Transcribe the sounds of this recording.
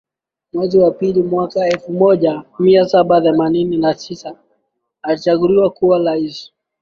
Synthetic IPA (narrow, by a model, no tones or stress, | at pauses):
mwɛziwapilimwakaɛlfumɔʄamiasaɓaθɛmanininatisa | alit͡ʃaɠuliwakuwalaisi̥